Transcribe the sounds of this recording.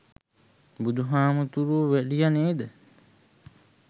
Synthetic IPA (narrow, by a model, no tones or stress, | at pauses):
bud̪uɦaːmut̪uɾuʋeɖijɐneːd̪ə